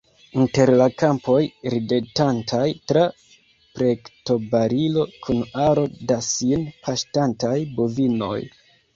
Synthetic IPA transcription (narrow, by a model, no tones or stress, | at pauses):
inte̞ɾlakampo̞jɾidetantʰajtɾa | pɾe̞kto̞baɾilo̞kʰunaɾo̞dasinpʰaʃtantajbovino̞̰j